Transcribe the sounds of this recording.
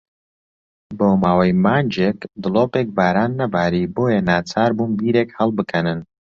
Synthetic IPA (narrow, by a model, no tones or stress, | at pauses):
boːmaːwɐjmaːnd͡ʒeːkd̪ɨlˠoːpeːk̚baːɾaːnːɐbaːɾiːboːjɛnaːt͡saːɾbuːnbiːɾeːkhɐlˠbɨkʰɐnɨn